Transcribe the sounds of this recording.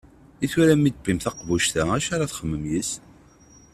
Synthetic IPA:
iθuɾæmːit̪̚bimθɑqvuʃt̪ææʃaɾaθχəmːəmjis

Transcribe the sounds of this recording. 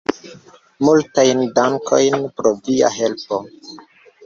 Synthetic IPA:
multajndaŋkʰo̞̰jnpɾovia̰ɦelpo

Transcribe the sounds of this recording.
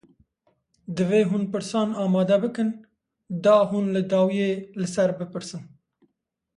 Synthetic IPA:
d̪əveɦunpəɽsɑnɑːmɑːd̪abəkən | d̪ɑhunlad̪ɑːwjelasaɾbəpəɽsən

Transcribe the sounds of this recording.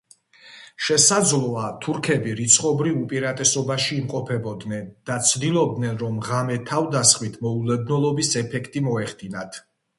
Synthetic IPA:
ʃɛsad̪zlˠɔat̪ʰuɾkʰɛbiɾit̪sʰχʼɔbɾivupʼiɾat̪ʼɛsɔbaʃiːmqʼɔpʰɛbɔd̪nɛnd̪̥at̪sʰd̪ilˠɔb̚d̪nɛnɾɔmʁamɛt̪ʰavd̪asχmit̪ʰmɔulɛd̪nɔlˠɔbisɛpʰɛkʰt̪ʼimɔɛχd̪inat̪ʰ

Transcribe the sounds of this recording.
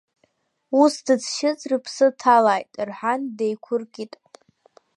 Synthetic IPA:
usdɨt͡sʰʃɪt͡sʼrɨpʰsɨtʰalajtʼrħandejkʷʰʊrkʲʼitʼ

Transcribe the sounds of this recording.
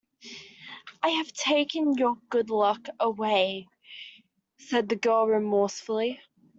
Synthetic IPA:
ʔaɪɨv̥tʰeɪkɨ̃njə˞ɡ̥ʊdˡlʌkəweɪ | sɛd̪̚ðɨɡɜ˞lˠɹɨmɔɹsfl̩ˠi

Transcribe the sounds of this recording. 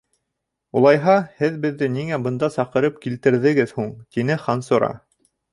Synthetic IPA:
ulˠɑjɦɑhɘðbɘ̆ðːɘniŋæbɤ̆nd̪ɑsɑqɤ̆ɾɤp̚kilt̪ɘ̆ɾðɘ̆ɡɘðhuɴt̪inɘχɑnsŏɾɑ̰

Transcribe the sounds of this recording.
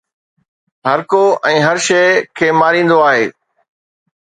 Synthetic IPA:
ɦɐɾkoɛ̃ːɦɐɾʃeɪkʰeːmaːɾĩːn̆d̪oaːɦeː

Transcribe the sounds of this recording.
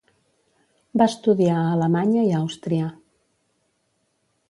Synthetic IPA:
bast̪uðiaːləmaɲəiawst̪ɾia

